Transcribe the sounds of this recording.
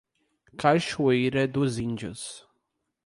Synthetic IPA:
kajʃuejɾɐd̪ʊzĩnd͡ʒʊ̰s

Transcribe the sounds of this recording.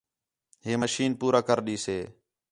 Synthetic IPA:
ɦeːməʃiːnpuːɾaːkəɾɗiːseː

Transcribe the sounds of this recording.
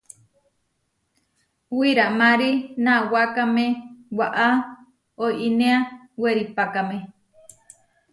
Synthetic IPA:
wiɾamãɾinãwakamẽwaʔa | ojʔinea | weɾipakamẽ

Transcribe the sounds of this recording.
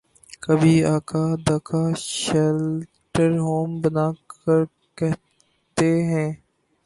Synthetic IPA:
kəbʱiaːkad̪aːkʰaʃɛl | ʈəɾɦoːmbənaːkəɾ | kɛɦ | t̪eɦɛ̃ː

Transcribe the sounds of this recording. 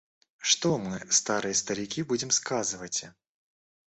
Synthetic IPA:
ʂt̪ɔmɨst̪aɾɨjɐst̪ɐɾʲikʲibud͡zʲɛmskazɨvɐt͡sʲ

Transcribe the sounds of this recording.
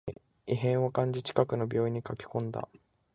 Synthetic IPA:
iɦẽ̞ɰ̃okãɲ̟d͡ʑit͡ɕi̥kakɯ̟no̞bʲo̞ːiɲ̟ikakʲi̥kõ̞nd̪a̰

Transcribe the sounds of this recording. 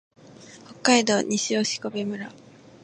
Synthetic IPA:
ho̞kːaid̪o̞ːɲ̟ʔiɕio̞ːɕi̥ko̞bemɯ̟ɾa

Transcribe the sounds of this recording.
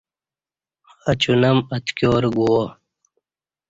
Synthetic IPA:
ɐt͡ɕunɐmɐt̪kjoːɾɡuwo

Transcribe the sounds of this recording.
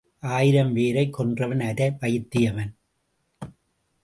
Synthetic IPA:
ʔaːjɪɾɐmʋeːɾɐɪkːɔndrɐʋɐnɐɾɐʋɐjɪt̪ːɪjɐʋɐn

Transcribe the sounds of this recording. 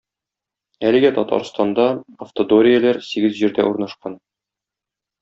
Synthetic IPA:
ælɘ̆ɡæt̪ɒt̪ɑ̰ɾst̪ɑnd̪ɑɐft̪od̪oɾʲijɘ̆læɾsiɡɘzʑiɾd̪æʔuɾnɑʃqɑn

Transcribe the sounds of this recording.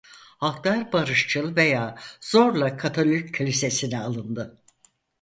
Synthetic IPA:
hakt̪aɾbaɾɯʃt͡ʃʰɯlˠve̞jaːz̥oɾlˠakʰat̪ʰolʲjycʰːlʲise̞sinɛalˠɯnd̪ɯ

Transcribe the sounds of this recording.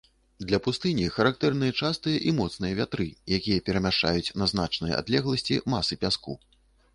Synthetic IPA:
d̪lʲɐpust̪ɨnʲixɐɾak̚t̪ɛrn̪ɨjɐt͡ʂast̪ɨjɐʔimɔt̪snɨjɐvʲat̪ɾɨjakʲijɐpʲɛɾɐmʲaʂt͡ʂa̰jut͡sʲnɐzn̪at͡ʂnɨj̰a̰d̪lʲɛɣlˠɐsʲt͡sʲḭmasɨpʲaskṵ

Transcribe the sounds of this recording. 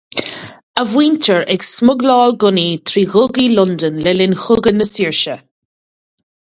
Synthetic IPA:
əvwiːntʰəɹɛɡsmʊɡlɔːlɡʊnit̪ʰɾiːɣʊɡilʊnd̪ənlɛlɪnxʊɡənəsiːɹʃə

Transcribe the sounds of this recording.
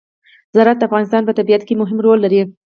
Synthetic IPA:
zɑɾat̪̚d̪əafɣɑnɪs̬t̪ɑnpət̪abiat̪kemʊɦɪmɾolːaɾi

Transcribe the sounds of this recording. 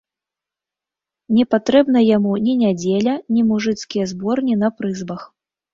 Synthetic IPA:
nʲɛpat̪ɾɛbn̪ɐjamunʲinʲad͡zʲelʲɐnʲimuʐɨt̪skʲijɐzbɔrnʲinɐpɾɨzbɐx

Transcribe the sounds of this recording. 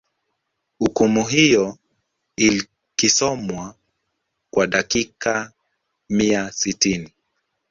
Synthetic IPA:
hukumuɦijɔ | il | kisɔmwa | kwaɗakika | miasitini

